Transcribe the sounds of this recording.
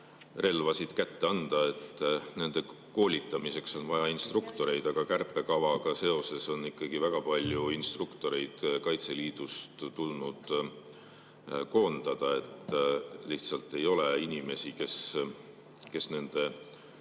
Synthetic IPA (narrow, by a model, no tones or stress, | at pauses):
re̞lvɑsid̪̥kæt̪ːe̞ɑnd̪̥ɑe̞t̪ːne̞nd̪̥e̞ | ko̞ːlʲit̪ːˑɑmise̞kso̞nvɑjɑinst̪rukt̪o̞ɾe̞jd̪̥ɑɡ̥ɑkærpːˑe̞kɑvɑɡ̥ɑse̞o̞se̞so̞nːikˑːɑɡ̥ivæɡ̥ɑpɑlʲjuinst̪rukt̪o̞ɾe̞jd̪̥kɑjt̪se̞liːd̪̥ust̪t̪ːulnud̪̥ | ko̞ːnd̪̥ɑd̪̥ɑe̞t̪ːˑliht̪sɑlt̪ːˑe̞jo̞le̞inʲime̞sike̞s | ke̞sne̞nd̪̥e̞